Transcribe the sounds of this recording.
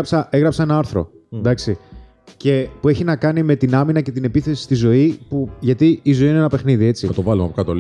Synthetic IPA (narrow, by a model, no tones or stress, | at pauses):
ɐpsɐeɣɾɐpsɐenɐɐɾθɾo̞̰ | d̪ɐksi | ce̞pue̞çinɐkɐnime̞t̪inɐminɐce̞t̪ine̞piθe̞si̥st̪izo̞ipuʝɐt̪iizo̞iineenɐpe̞xniðie̞t͡siɐt̪ovɐlumɐpokɐt̪o